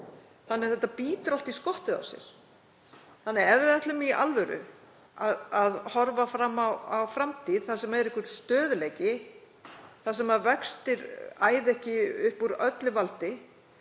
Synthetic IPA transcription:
θanːɛθɛht̪ːapiːt̪ʏɾalt̪iskɔht̪ɪða̰wsjɛ̰ɾ̥ | θanːɛɛvðɪɛht̪lʏmiʔa̰lvɛɾʏ̰ | aðaðhɔɾvafɾamːawawfɾamt̪ʰiðθasɛmːaɛɾɪhkʏɾst̪œːðʏleːjcɪ | θasɛmavɛkst̪ɪɾaːjðɛhcɪʏhpuɾœt̪lɪvalt̪ɪ

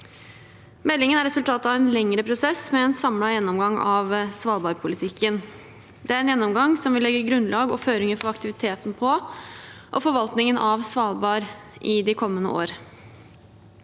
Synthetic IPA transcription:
mɛlːɪŋənæɾɛsʉlt̪ʰɑːt̪əɑʋɛnlɛŋɾəpʰɾʊsɛsmɛɛːnsɑmlɑjɛnːɔmɡɑŋɑʋsʋɑːlbɑːɾpʰʊlɪt̪ʰɪkʰːən | d̪ɛæɾɛnjɛnːɔmɡɑŋsɔmʋɪlːɛɡːəɡɾʉnlʔɑːɡɔføːɾɪŋəfɔɾɑkt̪ɪʋɪt̪ʰeːt̪n̩pʰɔ | ʔɔfɔɾʋɑlt̪nɪŋənɑʋsʋɑːlbɑːɾʔɪd̪ɪkʰɔmːənə̰o̰ːɾ

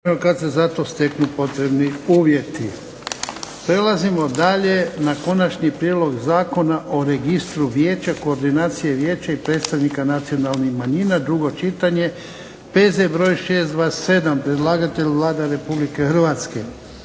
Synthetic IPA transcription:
okat̪sezat̪o̞st̪e̞knupo̞t̪ɾe̞bniuːʋje̞t̪i | pɾe̞lazimo̞d̪aʎe̞nako̞nat͡ʃɲipɾjed̪lˠo̞ɡzaːko̞naʔo̞ɾe̞ɡist̪ɾuʋje̞ːt͡ɕako̞ːɾd̪inaːt̪sijeʋje̞ːt͡ɕaipɾeːt̪st̪aʋnikanat̪sio̞nalˠnixmaɲinad̪ɾuɡo̞t͡ʃit̪aɲe̞ | pe̞zebɾo̞jʃeːst̪d̪ʋaːesse̞d̪ampɾe̞d̪lˠaːɡat̪e̞ʎʋlˠaːd̪aɾe̞publike̞xr̩ʋaːt̪ske

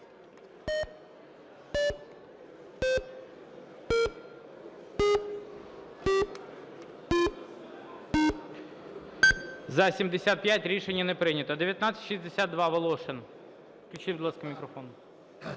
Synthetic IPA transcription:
zɐsʲimd̪esʲat̪̚pjatʲɾʲiʃenʲːɐnɛpɾɪnʲɐt̪ɔd̪eʋʲjɐt̪nat̪sʲə̥tʲʃizʲd̪esʲat̪d̪ʋɑʋɐlˠɔʃen | fklʲʊt͡ʃɪd̪lˠɑskɐmʲikɾɐfɔnʊ

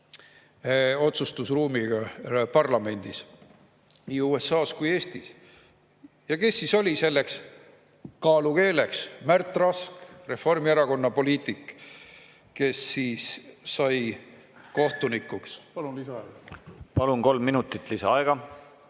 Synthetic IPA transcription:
o̞t̪sust̪usruːmiɡ̥ɑpɑrlɑme̞nʲd̪̥is | niːuːe̞sːɑːskuje̞ːst̪is | jɑke̞sːiso̞lʲise̞lːe̞ks | kɑːluke̞ːle̞ksmært̪ˑrɑskre̞fo̞rmieɾɑko̞nːɑpo̞lʲiːt̪ˑik | ke̞sːiːsːɑj | ko̞ht̪unikːˑukspɑlunlisɑɑɡpɑlunko̞lmːinut̪ːˑit̪ˑlisɑɑeɡ̥ɑ

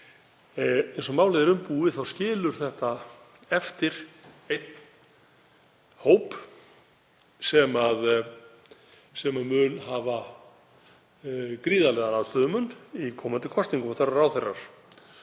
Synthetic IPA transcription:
ejnsɔmawlejðɪɾʏmpuːɪθawscɪːlʏɾ̥θɛht̪a | ɛft̪ɪɾ̥ | ejt̪̚n | hoːwp | sɛmað | sɛmamʏnɦaːva | kɾiːðalɛːðanaðt̪œːðʏmʏnikʰɔːmant̪ɪ̥kʰɔst̪niŋkʏmaθaraɾaːwθerːa̰ɾ̥

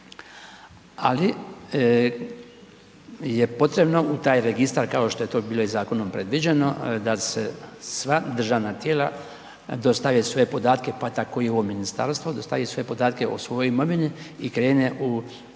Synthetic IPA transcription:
a̰li | je̞po̞t̪ɾe̞bno̞ut̪aːjɾeɡist̪aɾkao̞ʃt̪o̞je̞t̪o̞ːbiːlˠo̞izaːko̞nompɾe̞d̪ʋid͡ʑeno̞d̪asesʋad̪r̩ʒaʋnat̪jeːla | d̪o̞st̪aʋesʋo̞jepo̞d̪aːt̪ke̞pat̪ako̞jioʋominist̪a̰ɾst̪ʋo̞d̪o̞st̪aʋeso̞jepo̞d̪aːt̪ke̞osʋo̞joimo̞ʋiniikɾe̞ːneʔu

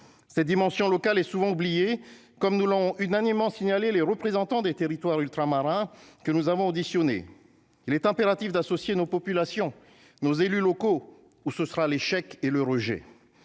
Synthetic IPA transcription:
sɛt̪̚d̪imɑ̃sjɔ̃lɔkalɛsuvɑ̃ublije | kɔmnulɔ̃ɔ̃ʔynanimːɑ̃siɲaleleʁəpχezɑ̃t̪ɑ̃d̪et̪eʁit̪waʁylt̪χamaʁɛ̃kənuzavɔ̃od̪isjɔnḛ | ilɛt̪ɛ̃peʁat̪ifd̪asɔsjenopɔpylasjɔ̃ | nozelylɔko | usəsəʁaleʃɛkeləʁəʒɛ̰

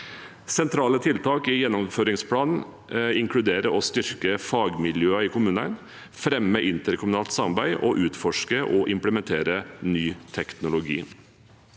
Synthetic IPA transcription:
sɛnt̪ʰɾɑːlət̪ʰɪlt̪ʰɑːkɪjɛnːɔmføːɾɪŋspʰlɑːnn̩ | ɪŋkʰɽʉd̪eːɾəɔst̪ʏɾkəfɑːɡmɪljøːɑɪkʰʊmʉːnə̰n | fɾɛmːəʔɪnt̪əɾkʰʊmʉnɑːlt̪sɑmɑɾbæɪʔɔʔʉːt̪fɔʂkəʔɔʔɪmpləmɛnt̪ʰeːɾənyːt̪ʰɛknʊlʊɡḭː

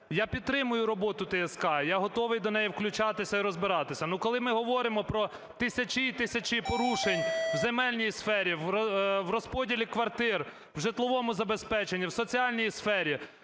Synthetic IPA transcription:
japʲid̪t̪̚t̪ːɾɪmʊjʊɾɔbɔt̪ʊt̪eɛskɑjaɦɔt̪ɔʋɪjd̪ɔnɛjiwklʲʊt͡ʃɑt̪ɪsʲɐiɾɔzbɪɾɑt̪ɪsʲɐnukɔlˠɪmɪɦɔʋɔɾɪmɔpɾɔ | t̪ɪsʲɐt͡ʃʲit̪ɪsʲɐt͡ʃipɔɾuʃenʲwzemɛlʲnʲijsfɛɾʲiʋʋrɔspɔdʲilʲikʋɐrt̪ɪr | wʒɪt̪lˠɔʋɔmʊzɐbespɛt͡ʃenʲːiwsɔt͡sʲiɑlʲnʲijisfɛɾʲi

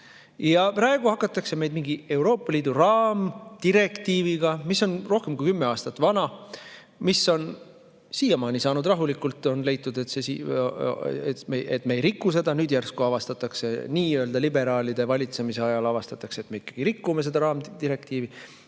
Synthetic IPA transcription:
jɑpɾɑːe̞ɡuhɑkːˑɑt̪ːˑɑkse̞me̞jd̪̥miŋɡie̞wɾo̞ːpˑːɑliːd̪̥urɑːmt̪iɾe̞kt̪iːviɡ̥ɑmisːo̞nro̞hke̞mkujkymːe̞ɑːst̪ɑt̪ːˑvɑnɑ | misːo̞n | siːjɑmɑːnisɑːnud̪rɑɦulikːult̪ːˑo̞nle̞jt̪ːˑud̪et̪sesi | et̪meʔet̪me̞ejɾikːus̬e̞d̪̥ɑnyːd̪̥jærskuɑvɑst̪ɑt̪ːˑɑkse̞niːøld̪ɑlibe̞ɾɑːlid̪̥e̞vɑlʲit̪se̞mise̞ɑjɑlɑvɑst̪ɑt̪ːˑɑkse̞ːt̪mei̥kːˑɑ̥ɡ̥iɾikːume̞s̬e̞d̪ɑɾɑːmd̪iɾe̞kt̪iːvi

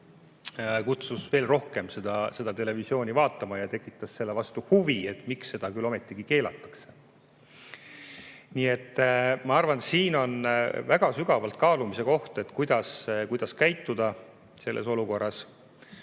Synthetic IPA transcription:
kut̪susve̞ːlro̞hke̞mse̞d̪̥ɑse̞d̪̥ɑt̪e̞le̞visio̞ːnʲivɑːt̪ːˑɑmɑjɑt̪e̞kːˑi̥t̪ːˑɑsːe̞lːevɑst̪uhuvie̞t̪ːˑmiksːe̞d̪̥ɑkylo̞me̞t̪ːˑiɡ̥ike̞ːlɑt̪ːˑɑ̥kse̞̥ | nie̞t̪ːmɑɑrvɑnsiːno̞nvæɡ̥ɑsyɡ̥ɑvɑlt̪̚kɑːlumise̞ko̞ht̪e̞t̪kujd̪̥ɑskujd̪̥ɑskæjt̪ːud̪̥ɑ | se̞lːʔḛso̞luko̞rːɑs

